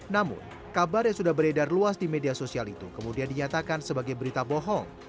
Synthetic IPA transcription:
namʊ̰n | kabarjaŋsudahbəɾedarluasdimediasosialit̪ukəmudiandiɲat̪akansəbaɡajbəɾit̪apɔɦɔŋ

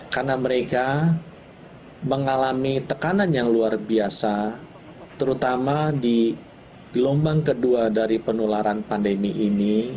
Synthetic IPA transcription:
karnaməɾeka | məŋalamit̪əkananjaŋluarbiasa | t̪əɾut̪amadi | lombaŋkəduadaɾipənolaɾanpandəmiʔini

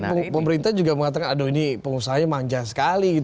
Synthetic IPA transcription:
pəməɾint̪ahd͡ʒuɡaməŋat̪akanadoinipəŋusaɦaɲamaɲd͡ʒasə̥kaliɡit̪

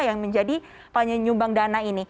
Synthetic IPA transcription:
jaŋməɲd͡ʒadi | paɲaɲumbaŋdanaini

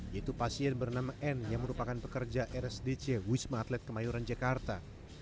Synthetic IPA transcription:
jait̪upasiɛnbərnamaʔɛnjaŋməɾupakanpəkərd͡ʒaʔɛɾɛsdet͡ʃewismaːt̪lɛt̪̚kəmajuɾand͡ʒakart̪a

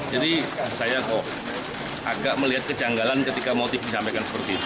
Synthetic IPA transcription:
d͡ʒadisajakɔ | ʔa̰ɡaʔməliɦat̪̚kəd͡ʒaŋɡalankət̪ikamot̪ɪfdisampekansə̥pərt̪iit̪u

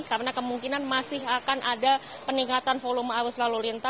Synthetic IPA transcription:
karnakəmuŋkinanmasɪɦakanʔada | pəniŋat̪anfolumaːwʊslalulint̪a

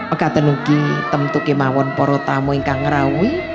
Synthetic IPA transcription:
əɡ̥at̪ənukit̪əmt̪ukemawɔnpɔɾɔt̪amɔiŋkaŋːəɾawi

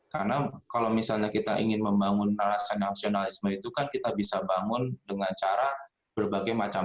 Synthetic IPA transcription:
karnakalawmisalɲakit̪aʔḭŋɪnməmbaŋʊnːalasanasionalɪsməit̪ukankit̪abisabaŋʊndəŋant͡ʃaɾa | b̥ərbaɡajmat͡ʃa

